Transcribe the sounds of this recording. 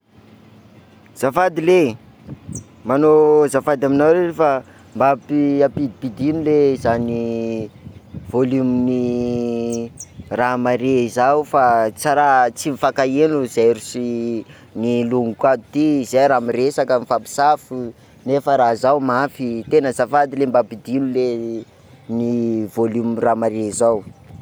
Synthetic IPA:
z̥afad̪ile | manozafad̪aminaweefa | mbapiapid̪ipid̪inilezani | volumini | ramaɾeizaufat͡saɾat͡simifakaenuz̥ajɾusi | niluŋukad̪ut̪izejɾamiresakəmifapi̥safu | nefəɾazawmafit̪enəzafad̪ilembapid̪inule | nivolumiramaɾezaw

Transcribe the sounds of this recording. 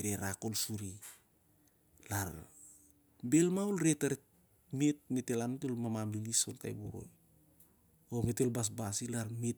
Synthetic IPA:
ɾeɾako̞lsuɾi | laɾ | belmawlɾetaɾe | met̚metelantelmamamlilisolta̰jboɾo̞̰j | omete̞lbas̬basilaɾmet̚

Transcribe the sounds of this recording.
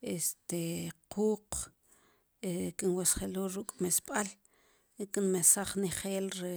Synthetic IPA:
est̪eqʰuːq | ekinwesχeloːɾukʼmesɓ̥al | kinmesaχniχeːlɾe

